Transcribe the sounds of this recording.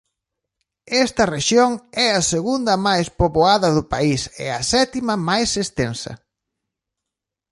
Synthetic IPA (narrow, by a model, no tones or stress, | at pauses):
ɛst̪ɐreʃjoŋɛɐseɣund̪ɐmajspoβoaðɐðʊpaisɛ̰ɐsɛt̪imɐmajsest̪ensɐ̰